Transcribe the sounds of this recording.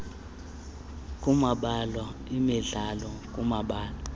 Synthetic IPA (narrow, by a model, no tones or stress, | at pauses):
kʼumaɓalwaimiɮalɔkʼumaɓaːlwa